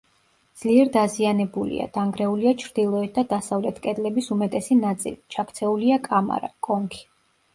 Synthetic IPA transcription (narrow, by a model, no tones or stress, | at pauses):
d̪z̥liɛɾd̪azianɛbulḭa̰d̪̥aŋɡɾɛuliat͡ʃʰɾd̪̥ilˠɔɛt̪̚d̪ad̪asavlɛt̪ʰkʼɛd̪lɛbisumɛt̪ʼɛsinat̪sʼḭlit͡ʃʰakʰt̪sʰɛuliakʼama̰ɾa̰kʼɔŋkʰi̥